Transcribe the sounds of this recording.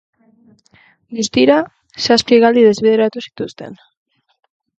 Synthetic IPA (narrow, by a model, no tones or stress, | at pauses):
must̪iɾa | saspieɣald̪iðe̞zβeð̞e̞ɾat̪usi̥t̪ust̪e̞̰n